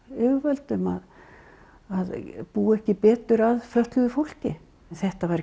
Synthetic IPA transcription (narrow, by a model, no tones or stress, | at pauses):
ʏvvœlt̪ʏma̰ð | aðpuːɛhcɪpɛːt̪ʏɾaðflœht̪lʏðʏfowl̥cɪ | nθɛht̪avaɾ